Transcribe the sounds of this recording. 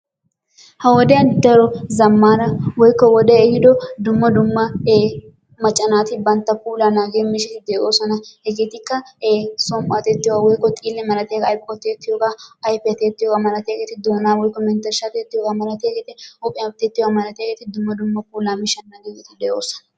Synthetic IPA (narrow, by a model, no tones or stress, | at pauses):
hɐwɔd̪ɛɐnd̪ɐɾɔzɐmːaːɾɐwɔjkːɔwɔd̪ɛhɪd̪ɔd̪ʊmːɐd̪ʊmːɐː | mɐt͡ʃʼːɐnaːt̪ɪbɐnt̪ːɐpuːlanaːɡeːmɪʃɪt̪ɪd̪eːʔoːsɔnɐhɛɡeːt̪ɪkːɐeːsɔmpʼɐːt̪ɛt̪ːɪjwawɔjkːɔt̪ʼiːlːɛmɐlɐt̪eːkɐjpkʼɔt̪ːeːt̪ːɪjokaɐjpːɛt̪eːt̪ːɪjoːɡamɐlɐt̪eːɡet̪ɪd̪oːnaːwɔjkːɔmɛnt̪ɐɾʃat̪et̪ːɪjokamɐlɐt̪eɡet̪ɪʊpʼɪɐt̪ːet̪ːɪjamɐlɐt̪eɡet̪ɪd̪ʊmːɐd̪ʊmːɐpuːlaːmɪʃɐnːaːɡekɛt̪ɪd̪eːʔoːsɔ̥nɐ